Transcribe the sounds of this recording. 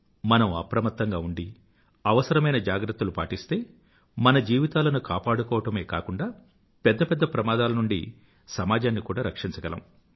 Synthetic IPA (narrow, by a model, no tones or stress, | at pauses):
mɐnɐmɐ̰pɾɐmɐt̪ːɐŋɡaːuɳɖi | ɐʋɐsɐɾɐmɐjnɐd͡ʒaːɡɾɐt̪ːulupaːʈist̪e̞ː | mɐnɐd͡ʒiːʋit̪aːlɐnukaːpaːɽukɔːʋɐʈɐme̞ːka̰ːkuɳɖaː | pɛd̪ːɐpɛd̪ːɐpɾɐmaːd̪aːlɐnuɳɖḭ | sɐmaːd͡ʒaːnːikuːɽaːɾɐkʂint͡ʃɐɡɐlɐ̰m